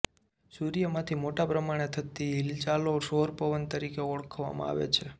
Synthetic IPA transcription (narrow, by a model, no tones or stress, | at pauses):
suɾijəmãt̪ʰimoʈapɾəmaɽ̃et̪ʰət̪iɦɪlt͡ʃaloʃoɾpəʋənt̪əɾikeɔɭkʰʋa̰mã̰a̰ʋḛt͡ʃʰe